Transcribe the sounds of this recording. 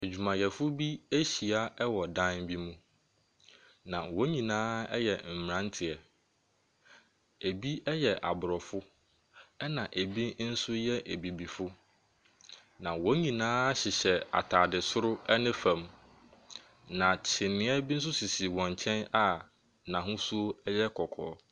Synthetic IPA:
e˨d͡ʑᶣu˨mã˨jɛ˨fʊ˦bi˦æ˦ɕi˨a˦ɛ˦wɔ˨dã˦nbi˦mũ˦ | nã˨wɔ̃˨˦ɲĩ˨nãː˦ɛ˦jɛ˨m̩˨mɪ˨ɾã˦ntʰɪ˨ɛ˨ | e˨bi˦ɛ˦jɛ˨ʔa˨bʊ˨ɾɔ˨fʊ˦ | ɛ˦nã˨ʔe˨bi˦n̩˦sʊ˦jɛ˦ʔe˨bi˨bi˨fʊ˦ | nã˨wɔ̃˨˦ɲĩ˨nãː˦ɕɪ˨ɕɛ˨a̰˨tʰaː˨dɪ˨sʊ˦ɾʊ˦ɛ˦nɪ̃˦fã˨m | nã˨t͡ɕʰɪ˨nɪ̃˦ɛ˦bi˦n̩˦s̬ʊ˦si˨si˨wɔ̃˨ɲ˨t͡ɕʰɛ̃˦na˦ | nã˨ɦʊ̃˦su˦ɛ˦jɛ˦kʰɔ˨kʰɔ̰ː˨˦

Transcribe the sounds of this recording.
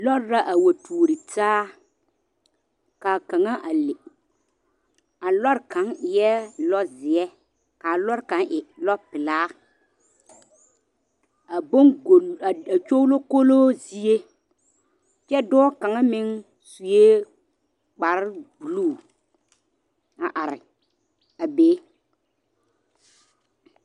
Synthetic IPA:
lɔ˦ɾːa˦ʔa˨wa˨tʰuː˨ɾi˨taː˦ | kaː˨ka˨ŋa˦ʔa˨le˨ | a˨lɔ˦ɾka˨˦ŋɪ˨jɛ˦lɔ˦zɪ˨ɛ˦ | ka˨lɔ˦ɾka˨˦nʔɪ˨lɔ˦pɪ˨laː˦ | a˨bo˦ŋ˨a˨a˨t͡ʃo˦lo˦ko˦loː˦zi˨e˦ | t͡ʃɛ˦dɔ˦ɔ˦ka˨ŋa˦mɪ˦ŋ | su˨je˦ | k͡pa˨ɾɪ˦bu˨luː˦˨ | a˨ʔa˨ɾɪ̰˨ | a˨beː˦

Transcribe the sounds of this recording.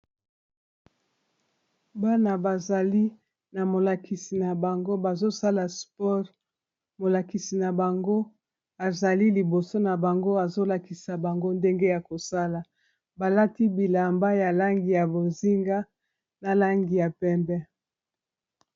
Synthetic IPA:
ba˦na˨ba˨za˨li˦ | na˨mo˨la˨kʰi˨si˨na˨ba˨ŋɡo˦ba˨zo˦sa˦la˨spɔ˦ʁ | mo˨la˨ki˨si˨na˨ba˨ŋɡo˦ | a˨za˨li˦li˨bo˨so˦na˨ba˨ŋɡo˦a˨zo˦la˨ki˨sa˨ba˨ŋɡo˦nde˦ŋɡe˦ja˨ko˨sa˦la˨ | ba˨la˦ti˦bi˨la˨mba˦ja˨la˦ŋɡi˨ja˨bo˨zi˦ŋɡa˦ | na˨la˦ŋɡi˨ja˨pɛ˦mbɛ˦

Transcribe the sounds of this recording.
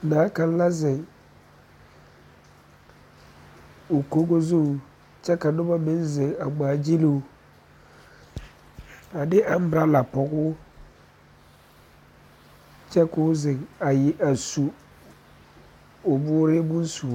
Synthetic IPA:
naː˨˦ka˨n˦la˦zɪ˨ŋ | o˨ko˦ɡo˦zu˦˨ | t͡ʃɛ˦ka˨nʊ˦ba˦mɪ˦nzɪ˨ŋa˨ɡ͡baː˨˦˨d͡ʒi˦lu˦u˦ | a˨dɪ˦ʔa˦m˦ba˦la˨pɔ˨ɡʊː˦ | t͡ʃɛ˦kʊ˦zɪ˨ŋa˨jɪ˨ʔa˨su˨ | ʊ˨bʊː˦ɾɪ˦bu˦n˦su˨˦

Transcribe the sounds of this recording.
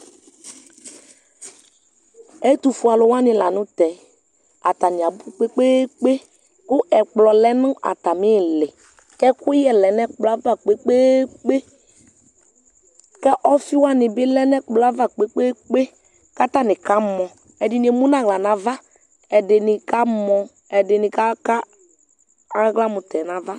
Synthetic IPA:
ɛ˦tu˨fu˨a˨lʊ˨wa˦nɪ˨la˨nʊ˦tɛ˨ | a̰˨ta˨nɪ˨a˨bʊ˦k͡pe˦k͡pe˦k͡pe˦ | kʊ˦ʔɛ˨k͡plɔ˨lɛ˦nʊ˦ʔa̰˨ta˨mɪ˦˨lɪ˨ | kɛ˦kʊ˦jɛ˦lɛ˨nɛ˦k͡plɔ˨a˦va˦˨k͡pe˦k͡pe˦k͡pe˦ | kɛ˦ʔɔ˦fi˦wa˦˨nɪ˨bɪ˦lɛ˦nɛ˦k͡plɔ˨˦a˦va˨k͡pe˦k͡pe˦k͡pe˦ | ka˦ta˦˨nɪ˨ka˦mɔ̃˨ | ɛ˨dɪ˨ni˨e˨mũ˦na˦˨ɣla˨na˨va˦ | ɛ˨dɪ˨nɪ˨ka˦mɔ̃˧ | ɛ˨dɪ˨nɪ˨ka˦ka˦ | a˦ɣla˦mʊ˨tɛ˨na˨˦va˦

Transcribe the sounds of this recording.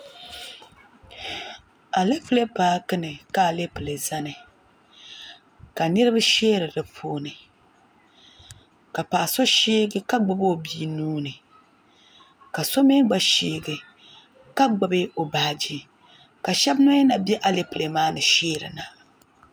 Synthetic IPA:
a˨le˦pɨ˨le˦paː˦kɨ˦nɨ˨ka˨le˦pɨ˨le˨za˦nɨ˨ | ka˨nɨ˦ɾɨ˦ba˦ʃeː˦ɾɨ˨dɨ˨pʰoː˦nɨ˨ | ka˨paː˨so˦ʃeː˦ɡɨ˦ka˦ɡ͡ba˨bo˨bi˦nuː˦nɨ˨ | ka˨so˦me˦ɡ͡ba˨ʃiː˦ɡɨ˨ | ka˦ɡ͡ba˨˦be˦ʔo˨baː˨d͡ʒi˦ | ka˨ʃɛ˦bnɔ˦jɛ˦na˨bɛ˦ʔa˦le˦pɨ˨le˨maː˦nɨ˨ʃeː˦ɾɨ̰˨na˨

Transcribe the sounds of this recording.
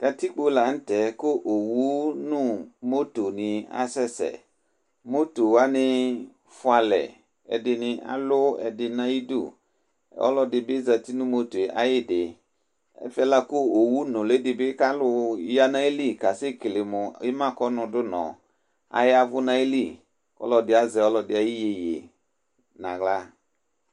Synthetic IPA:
ka˨ti˦k͡po˦la˨n̩˦tɛ˨˦kʊ˦ʔo˨wu˦nũ˦mo˦to˨nɪ̃˨a̰˦sɛ˦sɛ̰˨ | mo˦to˨wa˦nɪ̃˦ | fʊ˦a˨lɛ̰˨ | ɛ̰˨dɪ˨nɪ̃˨ʔa̰˨lʊ˦ɛ̰˨dɪ˨nã˦i˦dṵ˦˨ | ɔ̰˦lɔ˦dɪ˨bɪ˦za˨t̪i˦nũ˦mo˦to˨ʔa̰˨jɪ˦dɪ˨ | ɛ̰˦fɛ˦la˦kʊ˦o˨wu˦nʊ̃˨le˦dɪ˨bɪ˦ka˦lʊ˦ja˦nã˦e˦li˦˨ka˨sɪ˦ki˨lɪ˨mʊ˨ɪ˦mã˦˨kɔ˦nʊ̃˧dʊ˦nɔ̰̃˨ | a̰˨jɪ˦a˦vʊ˦nã˦e˦li˦˨ | kɔ̰˦lɔ˧dɪ˨a˦zɛ˨ɔ˦lɔ˦dɪ˨˦a˨ji˦je˨jḛ˨ | nã̰˨ɣla˦

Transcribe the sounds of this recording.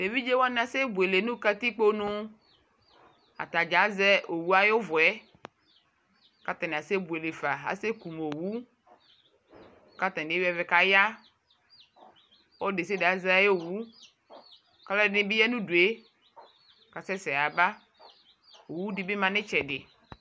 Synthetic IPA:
de˨vi˦d͡ʒe˦wa˦n˨a˨se˦bu˨e˨le˨nũ˦ka˦t̪i˦k͡po˦nũ˦ | a̰˨t̪a˨d͡ʒa˨˦zɛ˦o˨wu˦a˦jo˦vɔ˨ɛ˦ | ka˦t̪ã˨n˨a˨se˦bu˨e˨le˨fa˨a̰˨se˦ku˨mo˨wu˦ | ka˦t̪ã˨dwɛ˦˨vɛ˨ka˦ja˦ | wo˦de˨s̬e˦de˨a˨za˦jo˦˨wu˦ | ka˦la˦nɪ̃˦bi˦ja˦nũ˦du˨e˦ | ka˨sɛ˦sɛ˨a˨ba˦ | o˨wu˦di˦be˦mã˨nɪ̃˦t͡ʃɛ˨ɖɪ˨

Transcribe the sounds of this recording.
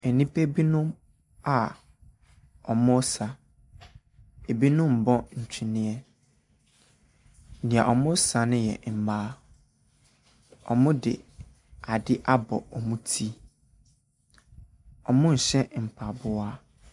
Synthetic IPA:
e˨nĩ˦pʰe˦bi˦nʊ̃˦m | a˨ | ɔ˨mʊ̃˦sa˨ | e˨bi˦nʊ̃˦m̩˨bɔ˦n̩˨t͡ɕᶣʰɪ˨nɪ̃˦ɛ˦ | nɪ̃˨a˨ʔɔ˨mʊ̃˦sa˨nɪ̃˦jɛ̰˨m̩˨maː˦ | ɔ̰˨mʊ̃˦dɪ̰˨ | a˨dɪ˦ʔa˦bɔ̰˨ɔ˨mũ˦tʰi˦ | ɔ˨mʊ̃˦ɲ̩˨ɕɛ˦m̩˨pʰa˨bʊ˦a˦

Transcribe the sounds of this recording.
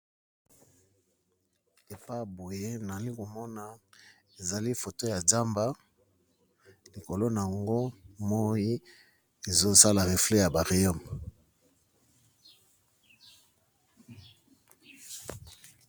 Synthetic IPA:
e˨pa˦˨bo˨je˦na˨li˦ko˨mɔ˦na˨ | e˨za˨li˦fo˨to˦ja˨za˦mba˦ | li˨ko˨lo˦na˨a˨ŋɡo˦mo˦ji˦ | e˨zo˦sa˦la˨ʁe˨flɛ˦ja˨ba˨ʁe˨jɔ˦˨m

